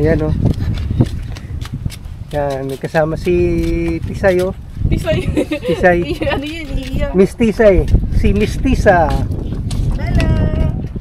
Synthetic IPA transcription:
jano | jankɐsaːmɐsit̪isajo | isaj | mist̪isajsimɪst̪isa

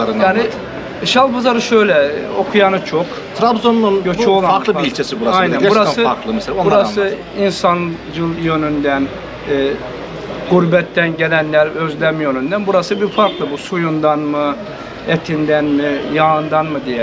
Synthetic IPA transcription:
aɾɯjaːni | ʃalˠbɯzaɾɯʃø̞jlʲɛo̞kʰujanɯt͡ʃʰok | t̪ʰɾabzonlˠunɟøt͡ʃʰolˠaaɾklˠɯiilʲt͡ʃʰesibuɾaajnænɛuɾasɯaɾklˠɯmɛseaobuɾasɯ | insan | d͡ʒɯlˠjø̞nynd̪ænː | ɡuɾbɛt̪ːænɟe̞lʲænlʲæɾø̞zlʲæmjønynd̪ænbuɾasɯbiɾfaɾklˠɯbusujund̪anmɯ | et̪ʰind̪ænmijaːɯnd̪anmɯd̪ijɛ

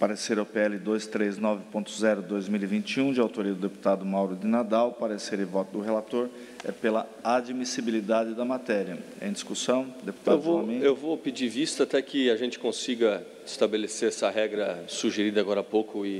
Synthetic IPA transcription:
paɾeseɾʊpeɛlɪd̪ojst̪ɾeznɔvɪpõt̪ʊzɛɾʊd̪ojzmilivĩnt͡ʃiũd͡ʒɪawt̪oɾiɐd̪ʊd̪epu̥t̪ad̪ʊmawɾʊd̪ɪnad̪awpaɾeseɾɪvɔt̪ʊʊɦelat̪oɾ | ɛ̰pelɐad͡ʒmisibilid̪ad͡ʒɪd̪ɐmat̪ɛɾiɐ | ḛ̃d͡ʒ̪iskusɐ̃w̃d̪epu̥t̪aew̪vomẽewvopɪd͡ʒivist̪ɐat̪ɛkɪaʒẽnt͡ʃɪ̥kõsiɡɐ | ɪst̪abeleseɾɛsɐɦɛɡɾɐsuʒeɾid̪ɐaɡɔɾɐapokʊɪ

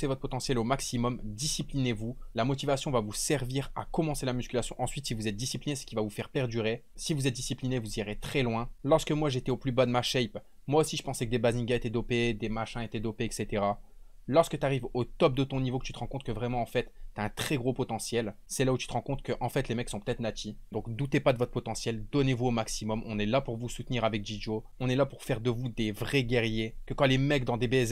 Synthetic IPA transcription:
sevɔt̪χəpɔt̪ɑ̃sjɛlomaksimɔmd̪isiplinevulamɔt̪ivasjɔ̃vavusɛʁviʁa̰kɔmɑ̃selamyskʲylasjɔ̃ʔɑ̃sɥit̪sivuzɛt̪̚d̪isiplinesə̥kʲilvavufɛʁpɛʁd̪yʁesivuzɛt̪̚d̪isiplinevuziʁet̪χɛlwɛ̃lɔʁskəmwaʒet̪ɛoplybad̪əmaʃɛjp | mwaosiʒə̥pɑ̃sɛkəd̪ebazĩɡaet̪ɛd̪ɔped̪emaʃɛ̃et̪ɛd̪ɔpeːkset̪eʁa | lɔʁskət̪aʁivot̪ɔp̚d̪ət̪ɔ̃nivokə̥t̪y̥t̪əʁɑ̃kɔ̃t̪ʰkəvʁɛmɑ̃ɑ̃fɛt̪ːaɛ̃t̪χɛɡʁopɔt̪ɑ̃sjɛlsɛlaut̪y̥t̪əʁɑ̃kɔ̃t̪kəʔɑ̃fɛt̪lemɛksɔ̃pə̥t̪ɛt̪χnat̪id̪ɔ̃kd̪ut̪epad̪əvɔt̪χpɔt̪ɑ̃sjɛld̪ɔnevuomaksimɔmɔ̃nɛlapuʁvusut̪niʁavɛk̚d͡ʒid͡ʒo | ɔ̃nɛlapuʁfɛʁd̪əvud̪evʁɛɡʲɛʁjekəkɑ̃lemɛkd̪ɑ̃d̪ebez

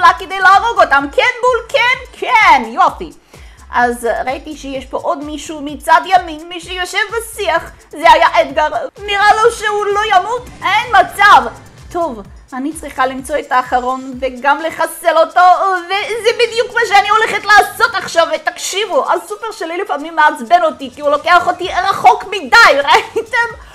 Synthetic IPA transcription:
laked̪ejlaːʁo̞ɡo̞tamkʰenbulkʰenkʰenjofi | ʔazʁait̪iʃejeʃpo̞ʔo̞d̪miʃumit͡sad̪jaminmiʃejoʃevbasiaχ | zeajaʔed̪ɡaʁniʁaloʃehulo̞jamutenmat͡sav | t̪o̞v | anit͡sʁiχalimt͡so̞et̪aːχaʁo̞nveɡamleχaselo̞tovezebid̪jukmaʃ̬eaniho̞leχetlaːso̞taχʃavet̪akʃivuʔazsupeʁʃelilifamimːeat͡sbeno̞tikiulo̞keaχo̞t̪iʁaχo̞kmidajʁaitem

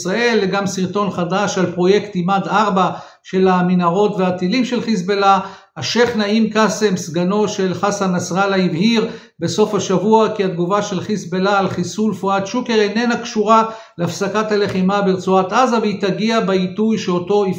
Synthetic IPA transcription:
sʁae̞lːeɡamsiʁt̪o̞nχadaʃalpʁo̞je̞kt̪imad̪aʁba | ʃe̞laminaʁo̞tveat̪ilimʃelχis̬bela | aʃe̞χnaimkase̞msɡano̞ʃe̞lχashanasʁalaivhiʁ | be̞so̞fhaʃavuakiad̪ɡuvaʃe̞lχisbelaːlχisulfuat̪ʃuke̞ʁenenakʃuʁa | leafsakathale̞χimabeʁt͡suat̪ʔazaveit̪aɡiabeitujʃeoto̞i

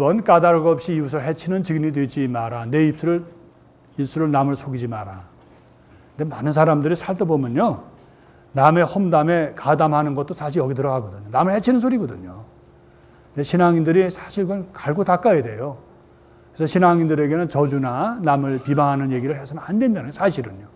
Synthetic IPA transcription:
ibʌnk͈adaɾɡʌp̚ɕ͈iːus̬ʰɯɭhe̞t͡ɕʰinɯnt͡ɕiɡinidwe̞d͡ʑimaɾane̞ip̚s͈uɾɯɭ | is͈uɾɯɭnamɯɭsʰoɡid͡ʑimaɾa | ndemanɯns̬ʰaɾamdɯɾisʰaɭtobomjʌɲo | name̞hʌmdame̞kadamhanɯnɡʌt̚t͈osʰaɕ̬ʰiʌɡit̬ɯɾʌɡaɡʌdɯɲonamɯɭhe̞t͡ɕʰinɯnsʰoɾiɡʌdɯɲo | ne̞ɕʰinaŋindɯɾisʰaɕʰiɭkɯnkaɭɡotak͈ajede̞jo | kesʰʌɕʰinaŋindɯɾe̞ɡe̞nɯnt͡ɕʌd͡ʑunanamɯɭpibaŋɦanɯnje̞ɡiɾɯɭhesʰʌnanhandwendanɯnɡsʰaɕʰiɾɯɲo

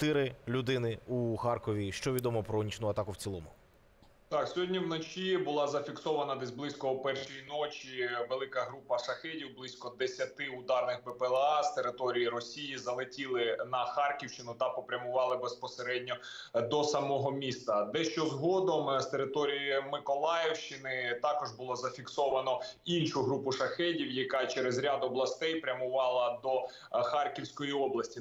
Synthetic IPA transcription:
t̪ɪɾɪlʲud̪ɪnɪuxɑrkɔʋʲiʃt͡ʃɔʋʲid̪ɔmɔpɾɔnʲit͡ʃnʊɐt̪ɑkʊwt͡sʲilˠɔmʊ | t̪ɑksʲɔɦɔdʲnʲiwnɔt͡ʃʲibʊlˠɑzɐfʲiksɔʋɐnɐd̪ɛzʲblˠɪsʲkɔupɛrʃijinɔt͡ʃʲiʋelˠɪkɐɦɾupɐʃɐxɛdʲiwblˠɪsʲkɔd̪esʲɐt̪ɪʊd̪ɑrnɪxbɛpɛlˠɑst̪eɾɪt̪ɔɾʲijiɾɔsʲijizɐlˠɪtʲilˠɪnɐxɑrkʲiwʃt͡ʃɪnʊt̪ɐpɔpɾʲɐmʊʋɑlˠɪbespɔseɾɛdʲnʲɔ | d̪ɔsɐmɔɦɔmʲist̪ɐd̪ɛʃt͡ʃɔzɦɔd̪ɔmst̪eɾɪt̪ɔɾʲijɐmɪkɔlˠɑjewʃt͡ʃɪnɪt̪ɑkɔʒbʊlˠɔzɐfʲiksɔʋɐnɔinʃʊɦɾupʊʃɐxɛdʲiwjɐkɑt͡ʃɛɾezɾʲad̪ɔblˠɐst̪ɛjpɾʲɐmʊʋɑlˠɐd̪ɔ | xɑrkʲiwsʲkɔjiɔblˠɐsʲtʲi

